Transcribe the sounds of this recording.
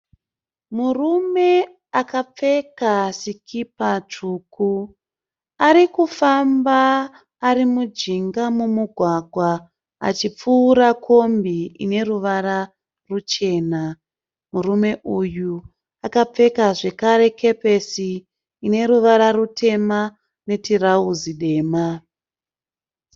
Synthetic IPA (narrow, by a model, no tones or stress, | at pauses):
murume̞ | akap͡fe̞kasikʰipat͡ʂuku | aɾikufambaː | ɾimud͡ʒiŋɡamumuɡʱwaɡʱwa | a̰t͡ʃip͡fuːɾakʰo̞mbiḭne̞ruʋaɾa | rut͡ʃe̞ːna | murume̞ʔuju | akap͡fe̞kaʐe̞kaɾe̞kʰe̞pe̞siː | ne̞ɾuʋaɾarutʰe̞ma | ne̞tirauziɗe̞ːma